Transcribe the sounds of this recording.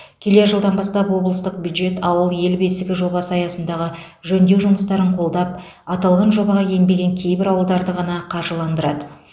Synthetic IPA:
kʲʰe̞le̞ʒəlˠd̪ɑnbɑst̪ɑpwo̞blˠəst̪əq̚bjud̪ʒe̞t̪ɑwəlˠje̞lbe̞sɪɡʲɪʒo̞bɑsəɑjɑsənd̪ɑʁə | ʒɵnd̪ewʒʊməst̪ɑɾəɴqʰo̞lˠd̪ɑp̚ | ɑt̪ɑlˠʁɑnʒo̞bɑʁɑje̞mbe̞ɡʲe̞ŋkʲʰe̞jbɪɾɑwəlˠd̪ɑɾd̪əʁɑnɑqʰɑɾʒəlˠɑnd̪əɾɑd̪ə

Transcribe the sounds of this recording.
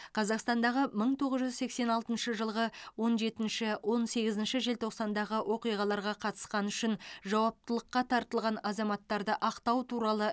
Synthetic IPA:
qʰɑzɑqst̪ɑnd̪ɑʁəməɴt̪ʰo̞ʁəzʒʏzse̞kse̞nɑlˠt̪ənʃəʒəlˠʁəwo̞nʒe̞t̪ɪnʃɪwʔo̞nse̞ɡʲɪzɪnʃɪʒe̞lt̪ʰo̞qsɑnd̪ɑʁəwʔo̞qijʁɑlˠɑɾʁɑqʰɑt̪ə̥sqɑnʏʃɪnʒɑwɑp̚t̪əlˠəqːɑt̪ʰɑɾt̪əlˠʁɑnɑzɑmɑt̪ːɑɾd̪əʔɑqt̪ɑwt̪ʰuɾɑlˠə

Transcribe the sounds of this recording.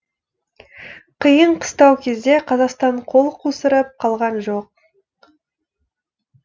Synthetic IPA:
qʰəjəɴqʰə̥st̪ɑwkʲʰe̞zd̪e̞qʰɑzɑqst̪ɑɴqʰo̞lˠqʰusəɾəp̚qʰɑlˠʁɑnʒoq̚

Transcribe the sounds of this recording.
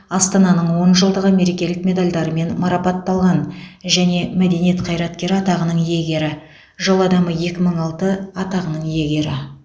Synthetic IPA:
ɑst̪ɑnɑnəɴwo̞nʒəlˠd̪əʁəme̞ɾe̞kʲe̞lɪk̚mʲe̞d̪alʲd̪ɑɾəme̞nmɑɾɑpɑt̪ːɑlˠʁɑnʒæne̞mæd̪e̞nije̞t̪qʰɑjɾɑt̪kʲe̞ɾɪɑt̪ɑʁənəɴje̞ɡʲe̞ɾɪ | ʒolˠɑd̪ɑməje̞kʲɪməɴɑlˠt̪əɑt̪ɑʁənəɴje̞ɡʲe̞ɾɪ

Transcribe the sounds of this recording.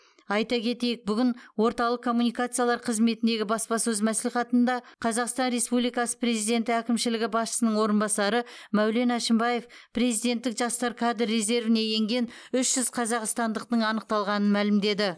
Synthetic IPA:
ɑjt̪ɑkʲʰe̞t̪e̞jɪk̚bʏɡʲɪnwo̞ɾt̪ɑlˠəqkʰːo̞mːunijkat̪sɨjɑlˠɑɾqʰəzme̞t̪ɪnd̪e̞ɡʲɪbɑspɑsɵzmæsliχɑt̪ənd̪ɑqʰɑzɑqst̪ɑnɾe̞spublijkɑsə̥pɾe̞zijd̪ʲe̞nt̪ɪækʲɪmʃɪlɪɡʲɪbɑsʃə̥sənəɴwo̞ɾənbɑsɑɾəmæwle̞næʃɪmbɑje̞fpre̞zijd̪e̞nt̪ːɪkʒɑst̪ɑɾkʰɑd̪rːeze̞ɾvɪne̞je̞ŋɡʲe̞nʏʃʒ̥ʏzqʰɑzɑqst̪ɑnd̪əq̚t̪əɴɑnəq̚t̪ɑlˠʁɑnənmælɪmd̪e̞d̪ɪ

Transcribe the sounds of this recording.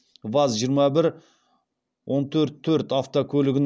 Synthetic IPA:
vɑzʒijəɾmɑbɪɾ | wʔo̞nt̪ʰɵɾt̪ʰːɵɾt̪aft̪okʲʰɵlɪɡʲɪn

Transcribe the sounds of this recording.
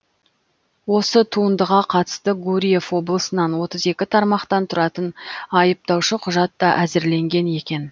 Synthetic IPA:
wo̞sət̪ʰuənd̪əʁɑqʰɑt̪ə̥st̪əɡuɾʲije̞fwo̞blˠəsənɑnwo̞t̪əze̞kʲɪt̪ʰɑɾmɑqt̪ɑnt̪ʰʊɾɑt̪ənɑjəp̚t̪ɑwʃəqʰʊʒɑt̪ːɑʔæzɪɾle̞ŋɡʲe̞ne̞kʲe̞n

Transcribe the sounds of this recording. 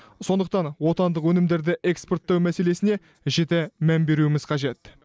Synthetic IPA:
so̞nd̪əq̚t̪ɑnwo̞t̪ɑnd̪əqwɵnɪmd̪e̞ɾd̪ɪʔe̞kspot̪ːɑwmæse̞le̞sɪne̞ | ʒet̪emæmbe̞ɾuɪmɪz̥qʰɑʒe̞t̪

